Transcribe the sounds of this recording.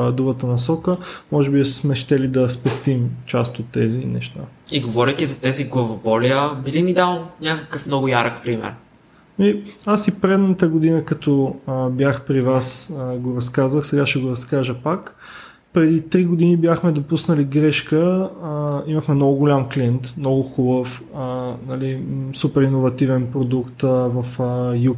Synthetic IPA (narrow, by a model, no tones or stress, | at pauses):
d̪ubət̪ənɐsɔkəmɔʒɛbismɛʃt̪ɛlid̪ɐspɛst̪imt͡ʃast̪ot̪ːɛzinɛ̰ʃt̪aiɡovɔɾɛt̪izɐt̪ɛziɡlˠɐvobɔliəbilimid̪avəmnʲakəkəfmnɔɡʊjaɾəkpɾimɛ̰ɾ | miasipɾɛd̪nət̪əɡod̪inəkɐt̪ɔbjaxpɾivasɡoɾɐskazvəxsɛɡaʃɛɡoɾɐskaʒəpak | pɾɛd̪it̪ɾiɡod̪inibjaxmɛd̪opusnəliɡɾɛʃkə | iməxmɛnɔɡʊɡolʲamklʲiɛnt̪mnɔɡʊxubəf | ənɐlisupɛɾinovɐt̪ivɛnpɾod̪ukt̪əvɐfəju